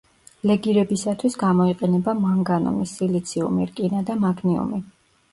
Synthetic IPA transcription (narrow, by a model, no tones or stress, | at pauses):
lɛɡiɾɛbisat̪ʰwisɡamɔiqʼɛnɛbamaŋɡanɔ̰misilit̪sʰiṵmḭɾkʼinad̪amaɡʰniṵmi